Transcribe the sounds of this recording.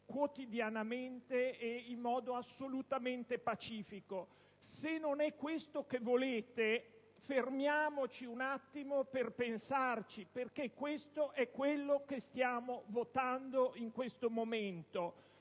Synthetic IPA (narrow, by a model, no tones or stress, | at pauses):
kwot̪id̪janament̪eːimːɔːd̪oasːolut̪ament̪epat͡ʃiːfiko | senːonɛkːwest̪okevoleːt̪e | fermjaːmot͡ʃiunat̪ːimoperpensart͡ʃiperkekːwest̪oʔɛkːwelːokest̪jaːmovot̪and̪oiŋkwest̪omoment̪o